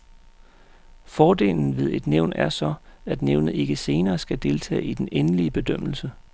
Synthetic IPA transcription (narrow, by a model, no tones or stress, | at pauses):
fɒːde̝̰ːln̩ʋe̝ð̞ˠe̝d̥neʊ̰næɐsɒ̽æd̥neʊnð̩ˠe̝ɡ̥əse̝ːnɐːsɡ̥æd̥e̝lt͡sʰɛ̰ːid̥enenəliəb̥e̝d̥øm̰l̩sə